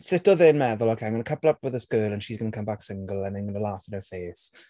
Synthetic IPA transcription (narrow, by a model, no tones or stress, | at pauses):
sɪtɔðɪnmɛðʊlˠɔkʰanŋɡənəkʰəblˠəpwɪðəskəːlˠə̃nʃizɡənəkʰə̃mbaksɪŋɡəlˠə̃nanɡənəlˠaːfɪ̃nəfeːs